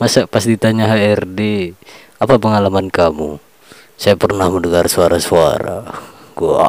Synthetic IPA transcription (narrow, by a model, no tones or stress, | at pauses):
masapasdit̪aɲaɦaɛrde | apapəŋalamankamu | sajapərnahməndəŋarsuaɾasua̰ɾa̰ɡṵ